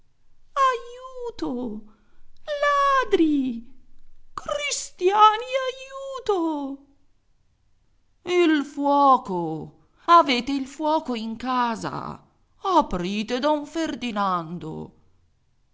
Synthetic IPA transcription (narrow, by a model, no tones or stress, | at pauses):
ajuːt̪o | laːd̪ɾi | kɾist̪jaːniajuːt̪o | ilfwɔːko | aveːt̪eilfwɔːkoiŋkaːza̰ | apɾiːt̪ed̪ɔuɱferd̪inand̪o̰